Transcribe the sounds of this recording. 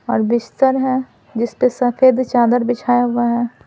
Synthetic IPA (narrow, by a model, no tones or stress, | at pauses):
ɔːɾbɪst̪əɾɦɛ | d͡ʒɪspesɐfʰeːd̪t͡ʃaːd̪əɾbɪt͡ʃʰaːjaɦʊaɦɛː